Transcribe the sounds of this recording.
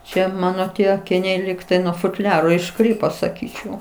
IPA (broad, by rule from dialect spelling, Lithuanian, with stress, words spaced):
ˈt͡ʃʲɛ ˈmɑːnoː ˈtʲiɛ ɐkʲɪˈnʲɛɪ ˈlʲiːktɐɪ nuɔ fʊtʲˈlʲæːroː ɪʃˈkrʲiːpoː sɐˈkʲiːt͡ʃʲɛʊ